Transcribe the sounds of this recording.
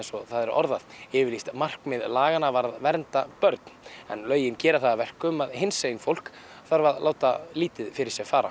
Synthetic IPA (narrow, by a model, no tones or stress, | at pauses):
ɛnsɔθaðɛɾʔɔ̰ɾðaðɪvɪɾlist̪mar̥kmɪðlaːɣanavaɾðvɛɾnt̪apœɾt̪n̥ɛ̰nlœːɥjɪncɛːɾaθaðavɛr̥kʏmaðɦɪnseːjɪnfowl̥k | θaɾvaðlaːwt̪aliːt̪ɪðfɪɾɪɾsjɛɣfaːɾa̰